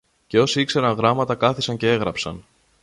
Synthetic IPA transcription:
ce̞o̞siikse̞ɾɐnɣɾɐmɐt̪ɐkɐθisɐɲce̞e̞ɣɾɐpsɐn

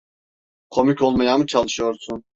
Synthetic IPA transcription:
kʰo̞micʰo̞lˠmajamɯt͡ʃʰalˠɯʃɯjo̞ɾsun

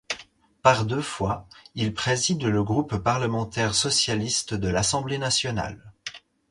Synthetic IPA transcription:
paʁd̪øfwailpχezid̪ləɡʁupːaʁləmɑ̃t̪ɛʁsɔsjalist̪d̪əlasɑ̃blenasjɔna̰l

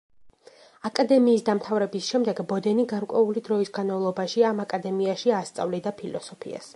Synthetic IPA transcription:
akʼad̪ɛmiːsd̪amt̪ʰavɾɛbisʃɛmd̪ɛɡbɔd̪ɛniɡaɾkʼwɛulid̪ɾɔisɡanmavlˠɔbaʃiamakʼad̪ɛmiaʃiast̪sʼa̰vlid̪apʰilɔsɔpʰḭa̰s

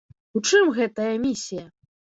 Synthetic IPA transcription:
ut͡ʂɨmɣɛt̪ɐjɐmʲisʲijɐ

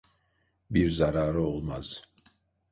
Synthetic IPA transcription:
biɾzaɾaːɾɯolˠmaz̥

